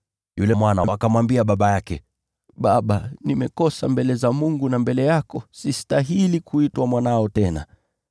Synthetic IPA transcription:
julɛmwanaakamwambiaɓaɓajakɛ | ɓaɓanimɛkɔsambɛlɛzamuŋɡunambɛlɛjakɔsistaɦilikuitwamwanaɔtɛna̰

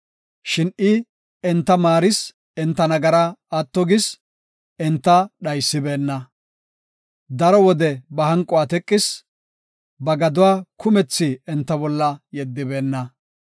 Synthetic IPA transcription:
ʃɪnʔɪ | ɛnt̪ːɐmaːɾɪs | ɛnt̪ːɐnɐɡɐɾaːt̪ːɔɡɪs | ɛnt̪ːɐɗɐjsːɪbe̞ːnːɐ | d̪ɐɾɔwɔd̪ɛbɐhɐŋkʼːʊwaːt̪ɛkʼːɪs | bɐɡɐd̪ʊwaːkʰʊmɛt͡sːɪɛnt̪ːɐbɔlːɐjɛd̪ːɪbe̞ːnːɐ

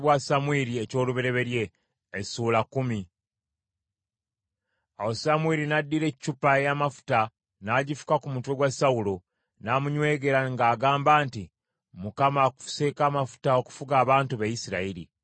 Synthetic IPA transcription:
βwasamwiɾieco̞ːluβeɾe̞βe̞ɾje̞ː | suːlakːumi | awosamwiɾinadːiɾe̞cːupajamafu̥ta | naːɟifu̥kakumutwe̞ɡwasawulo̞ | namuɲwe̞ːɡe̞ɾaŋɡaːɡaːmbaːnti | mukamakuse̞ːkaːmafu̥tao̞ku̥fuɡaːβaːntuβajisiɾa̰iɾḭ

